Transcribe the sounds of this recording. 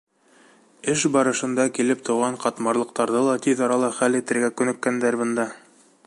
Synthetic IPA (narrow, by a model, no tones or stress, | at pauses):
ɘʃbɑɾɤ̆ʃɤ̆nd̪ɑkilɘp̚t̪ŏwʁɑɴqɑt̪mɑɾlˠɤ̆q̚t̪ɑɾðɤlˠɑt̪iðɑɾɑlˠɑχælit̪ɘ̆ɾɡækɵ̆nɘ̆kːænd̪æɾbɤ̆nd̪ɑ